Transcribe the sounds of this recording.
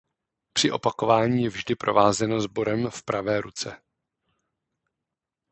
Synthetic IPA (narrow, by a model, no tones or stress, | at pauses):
pr̝̥ɪʔo̞̰pako̞vaːɲiːjɛvʒdɪpɾo̞̰vaːzɛno̞zbo̞ɾɛmfpɾʔavɛːɾut͡sɛ